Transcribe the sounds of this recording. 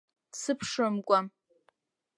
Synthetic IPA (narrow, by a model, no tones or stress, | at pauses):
sɨpʰʂɨmkʷʼa